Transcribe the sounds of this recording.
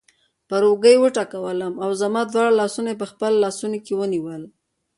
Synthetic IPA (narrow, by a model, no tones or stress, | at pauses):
pəɾoɡəjwəʈɑkawələmawzamɑd̪wɑɽalɑsunajep̬əxpəlːɑsunokewəniwəl